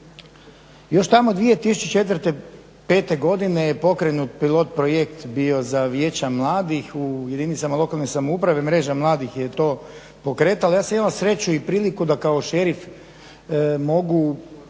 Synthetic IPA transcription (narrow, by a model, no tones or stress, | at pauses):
jo̞ʃt̪amod̪ʋijet̪isut͡ɕet͡ʃe̞t̪ʋɾt̪e̞ | pe̞ːt̪e̞ɡo̞d̪ine̞jepo̞kɾenut̪̚pilˠo̞t̪̚pɾojekt̪bio̞zaʋjeːt͡ɕamlˠaːd̪ixuje̞d̪init̪samalˠo̞kalnosamoupɾaʋe̞mɾe̞ːʒamlˠaːd̪ixjet̪o̞ː | po̞kɾe̞ːt̪alajaːsamimalsɾe̞t͡ɕuipɾiːlikud̪akaoʃeɾif | mo̞ɡu